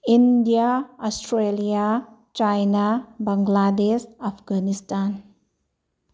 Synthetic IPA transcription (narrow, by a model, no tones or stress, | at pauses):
indiaɔsʈɾeliat͡ʃajnabãŋɡladesapʰɡanistan